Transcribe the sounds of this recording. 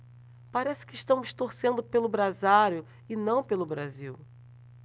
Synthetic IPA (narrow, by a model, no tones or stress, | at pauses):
paɾɛsɪ̥kɪːʃt̪ɐ̃w̃ʃt̪oɾsẽnd̪ʊpelʊbɾazaɾjʊ | ɪnɐ̃w̃pelʊbɾaziw